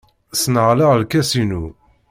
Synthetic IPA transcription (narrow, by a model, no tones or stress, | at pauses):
snʁlaʁlkæsinu